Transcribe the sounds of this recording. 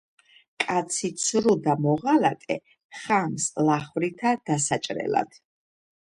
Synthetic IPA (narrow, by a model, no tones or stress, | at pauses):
kʼat̪sʰit̪sʰɾud̪amɔʁalatʼɛ̰ | χamslaχvɾit̪ʰad̪̥asat͡ʃʼɾɛ̰la̰d̪̥